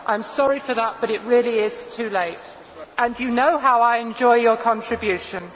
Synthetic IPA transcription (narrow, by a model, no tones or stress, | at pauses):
ʔãɪ̃msɑɹifəðət̚b̥ʌɾɪʔ̚ɹɪəliɪz̥tʰʉːleɪt | ʔə̃ndjɨnoʊɦaʊaɪɨ̃nd͡ʒɔɪjəkʰɒ̃ntɹ̥ɨbjʉˑʃə̃nz̥